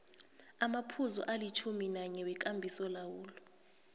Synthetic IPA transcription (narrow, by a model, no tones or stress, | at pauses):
amapʰuzɔ̰ʔalit͡ʃʰuminaɲɛwɛk̬ʼambʱisɔlawuːlɔ